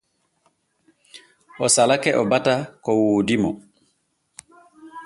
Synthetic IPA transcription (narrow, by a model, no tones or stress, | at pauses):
ʔɔsalakɛʔɔbatakɔwoːdimɔ